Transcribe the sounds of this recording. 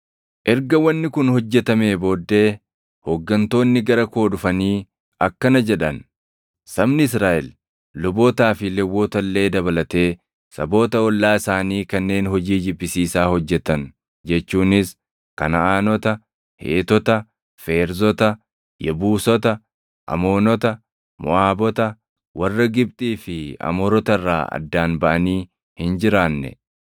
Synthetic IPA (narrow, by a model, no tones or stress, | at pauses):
ʔɛɾɡɐwɐnːɪkʊnhɔd͡ʒːɛt̪ɐme̞ːboːd̪ːe̞ː | hɔɡːɐnt̪o̞ːnːɪɡɐɾɐko̞ːᶑʊfɐniː | ɐkːɐnɐd͡ʒɛᶑɐn | sɐbnɪɪsɾaːʔɛl | lʊbo̞ːt̪aːfɪlɛwːoːt̪ɐlːe̞ːd̪ɐbɐlɐt̪e̞ː | sɐ̰bo̞ːt̪ɐɔlːaːɪsaːniːkɐnːe̞ːnhɔd͡ʒiːd͡ʒɪbːɪsiːsaːhɔd͡ʒːɛt̪ɐn | d͡ʒɛt͡ʃːuːnɪs | kɐnɐʔaːnɔt̪ɐ | hḛːt̪ɔt̪ɐ | fe̞ːɾzɔt̪ɐ | jɛbuːsɔt̪ɐ | ʔɐ̰mo̞ːnɔt̪ɐ | mʊ̰ʔaːbɔt̪ɐ | wʔɐrːɐɡɪb̚t̪ʼiːfɪɐ̰mɔɾɔt̪ɐrːa̰ːɐ̰d̪ːaːnbɐʔɐniː | hɪnd͡ʒɪɾaːnːɛ̰